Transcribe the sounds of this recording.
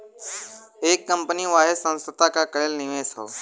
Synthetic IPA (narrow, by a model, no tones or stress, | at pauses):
eːkːəmpəniʋaːɦesə̃nst̪ət̪akakəɾelnɪʋẽːso̰ː